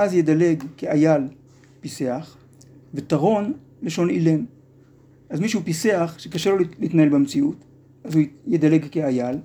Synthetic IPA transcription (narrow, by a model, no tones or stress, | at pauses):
ʔazjedaleɡkeajal | pise̞aχ | vetaʁo̞n | leʃo̞nilen | ʔazmiʃ̬hupise̞aχʃekaʃelo̞liiːt̪nahe̞lbamt͡siut | ʔazujed̪ale̞ɡkeajal